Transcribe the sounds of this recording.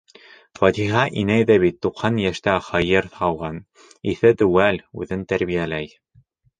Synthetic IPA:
fɑt̪iɦɑʔinæjðæβit̪ːuqhɑnjæʃt̪æχɑjɤɾɑwʁɑn | iθɘt̪ɵ̆wælʉ̰ðɘnt̪æɾβijælæj

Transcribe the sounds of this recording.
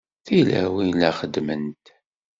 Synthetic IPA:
θilæ̰wilæχəd̪mənt̪

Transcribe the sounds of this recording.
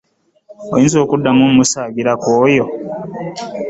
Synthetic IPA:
ojiːnzo̞ːkudːamomusaːɡiɾakoːjo

